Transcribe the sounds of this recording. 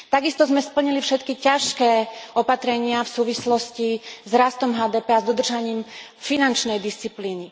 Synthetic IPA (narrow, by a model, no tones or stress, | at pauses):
t̪aɡist̪ɔzmɛspl̩ɲilifʃɛt̪kicaʃkɛːɔpat̪ɾɛɲɪafsuːʋislɔscizɾast̪ɔmɦaːd̪ɛːpɛazd̪ɔd̪r̩ʒaɲiːm | finant͡ʃnɛjd̪ist͡sipliːni